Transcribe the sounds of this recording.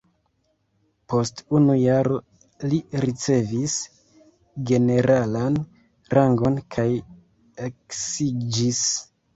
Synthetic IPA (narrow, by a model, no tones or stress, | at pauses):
po̞stunujaɾo̞ | liɾit͡se̞vis | ɡe̞ne̞ɾʔalan | ɾʔaŋɡo̞nkʰaj | eksid͡ʒis